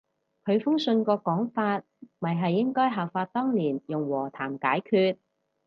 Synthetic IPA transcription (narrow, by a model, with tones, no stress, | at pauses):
kʰɵ˨˧ɥfʊ˥ŋsɵ˧nkɔː˧kɔː˨˥ŋfaː˧t̚mɐ˨˩jɦɐ˨jːɪ˥ŋkɔː˥jɦɐː˨wfaː˧t̚t̪ɔː˥ŋliː˨˩njʊ˨ŋwɔː˨˩t̪ʰaː˨˩mkaː˨˥jkʰyː˧t̚